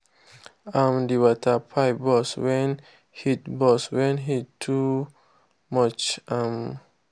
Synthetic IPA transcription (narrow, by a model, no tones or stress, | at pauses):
ãmdiwɔtʰapʰabɔswɛ̃n | hitbɔswɛ̃nɦittʰːu | mɔt͡ʃãm